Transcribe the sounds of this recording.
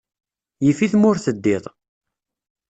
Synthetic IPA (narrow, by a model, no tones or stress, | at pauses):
jəfiθmʊɾθəd̪ːiðˤ